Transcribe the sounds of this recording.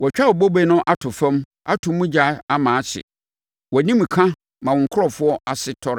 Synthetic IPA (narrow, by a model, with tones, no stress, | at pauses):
wɔ˨t͡ɕᶣa˦ɔ˨bo˦be˦nʊ̃˦ʔa˦tʰʊ˨fɛ̃˦m | a̰˦tʰʊ̃˨mũ˦d͡ʑa˦a˦mãː˨˦ɕɪ̰˨ | wɔ˨nĩ˦m˨kʰã˦ | mã˨wɔ̃˨ŋ̩˨kʰʊ˦ɾɔ˨fʊ˦ɔ˦a˨sɪ˦tʰɔ˦ɾ